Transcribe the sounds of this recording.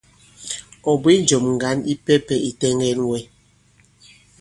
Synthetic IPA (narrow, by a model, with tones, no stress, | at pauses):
ɔ˨bi˦n˨˦d͡ʒo˨mŋ̩˨ɡa˨˦ni˦pɛ˦pɛ˦i˨tɛ˦ŋɡɛ˦nwɛ˦